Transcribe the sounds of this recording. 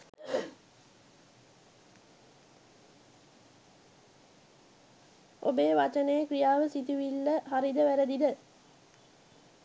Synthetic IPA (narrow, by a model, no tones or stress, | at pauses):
ʔobeːʋat͡ʃənəjekrijaːʋəsit̪uʋilːəɦaɾid̪əʋæɾəd̪id̪ə